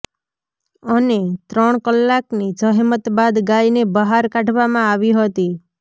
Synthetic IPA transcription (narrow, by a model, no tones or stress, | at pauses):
ənet̪ɾəɳ̃kəlːaknid͡ʒəɦmət̪bad̪ɡajnebəɦaɾkaʈʰʋamãaʋiɦət̪i